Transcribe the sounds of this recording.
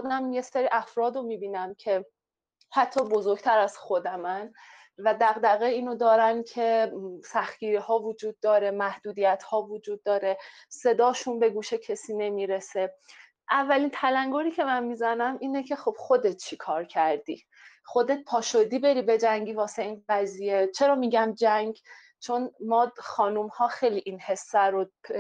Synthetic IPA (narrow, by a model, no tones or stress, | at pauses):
od̪æmje̞seɾiːʔæfɾɒːd̪omiːbiːnæmcʰe̞ | hæt̪ʰːɒːbo̞zoɾɡt̪ʰæɾæz̥xod̪æmæn | væd̪æɣd̪æɣeiːnod̪ɒːɾæncʰe̞sæxt̪ɡiːɾihɒːvod͡ʒuːd̪̚ːɒːɾe̞mæhd̪uːd̪ijæt̪hɒːvod͡ʒuːd̪ːɒːɾe̞ | se̞d̪ɒːʃunbe̞ɡuːʃecʰe̞siːne̞miːɾe̞se̞ | ʔævːæliːnt̪ʰælæŋɡoɾiːcʰe̞mænmizænæmʔiːnecʰe̞xo̞b̥xo̞d̪et̪̚t͡ʃʰikʰɒːɾcʰæɾd̪ḭː | xo̞d̪e̞t̪̚pʰɒːʃod̪iːbe̞ɾiːbe̞d͡ʒæŋɟiːvɒːseiːnɢæziːje̞t͡ʃʰe̞ɾɒːmiːɟæmd͡ʒæŋɡ | t͡ʃʰo̞nmɒːxɒːnumhɒːxe̞jliʔiːnhe̞sːæɾo